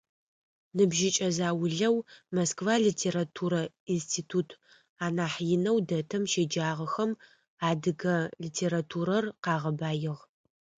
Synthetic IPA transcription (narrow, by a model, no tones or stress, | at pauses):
nɨbʒɪt͡ʃʼɐzaːwʊɮɐwmoskvaːɮitʰeːɾatʰuːɾɐ | instʰiːtʰuːtʰ | aːnaːħjɪnɐwdɐtʰɐmʃeːd͡ʒaːʁɐxɐm | aːdɨɡɐliːtʰeːɾatʰuːɾɐrqɑːʁɐbaːjɪʁ